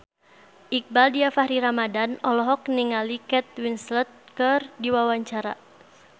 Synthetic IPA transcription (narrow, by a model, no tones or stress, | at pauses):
ʔik̚baldiafahɾiɾamadanɔlɔɦɔk̚niŋalikɛt̪̚winslət̪̚kərdiwawaɲt͡ʃaɾa